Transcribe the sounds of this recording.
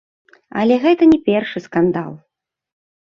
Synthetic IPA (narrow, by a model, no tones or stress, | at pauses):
ɐ̰lʲɛɣɛt̪ɐnʲɛpʲɛrʂɨskand̪a̰lˠ